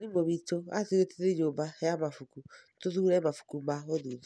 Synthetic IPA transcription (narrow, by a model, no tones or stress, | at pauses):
nimoβitoateɾeteðeɲoːbahɛjamafukutoðuɾɛmafu̥kumaoðu